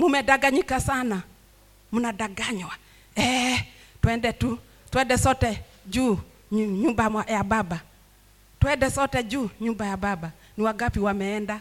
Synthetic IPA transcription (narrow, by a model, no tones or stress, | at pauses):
mumɛdaɡaɲikasana | munadaɡaɲwa | ɛ | twɛndɛtu | twɛndɛsɔtɛ | d͡ʒu | ɲumbaajababa | twɛndɛsɔtɛd͡ʒuːɲumbajababa | niwaɡapiwamɛːnda